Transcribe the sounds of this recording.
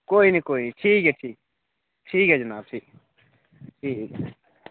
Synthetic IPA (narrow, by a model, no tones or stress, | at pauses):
koːinikoːiniʈʰiːkɛʈʰiːk | ʈʰiːkɦɛd͡ʒɐnaːb̚ʈʰiːk | ʈʰiːk